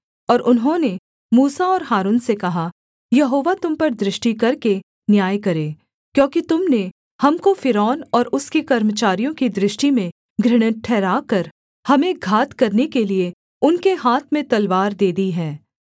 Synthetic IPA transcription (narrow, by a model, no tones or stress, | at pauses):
ɔːɾʔʊnɦõne | muːsaɔːɾɦaːɾuːnsekɐɦa | jɐɦoːʋat̪ʊmpɐɾd̪ɾɪʃʈikɐɾke | njaːjkɐɾeː | kjõːkit̪ʊmne | hɐmkofɪɾɔːnɔːɾʊskikɐɾmət͡ʃaːɾijõkid̪ɾɪʃʈimẽ | ɡɾɪɽ̃ə̃ʈʰɛːɾaːkɐɾ | hɐmẽɡʱaːt̪kɐɾnekelie | ʊnkeɦaːt̪ʰmẽt̪ɐlʋaːɾd̪eːd̪iɦɛː